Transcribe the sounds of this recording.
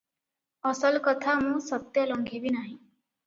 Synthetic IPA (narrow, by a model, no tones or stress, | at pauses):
ɔsəlkɔt̪ʰamũsɔt̪jɔlɔŋɡʱebinaɦĩ